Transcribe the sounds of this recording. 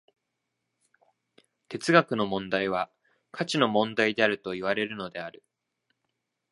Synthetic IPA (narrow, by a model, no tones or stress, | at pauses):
t̪e̞t͡sɨɡakɯ̟no̞mõ̞nd̪aiβ̞a | kʰat͡ɕino̞mõ̞nd̪aid̪e̞aɾɯ̟t̪o̞iβ̞aɾe̞ɾɯ̟no̞d̪e̞aɾɯ̟